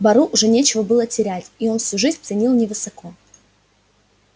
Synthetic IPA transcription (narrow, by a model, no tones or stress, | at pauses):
bɐɾuʔʊʐɛnʲet͡ɕɪvəbɨlˠətʲɪɾʲætʲio̞nfsʲuʐɨzʲnʲt̪sɨnʲilˠnʲɪvɨsɐko̞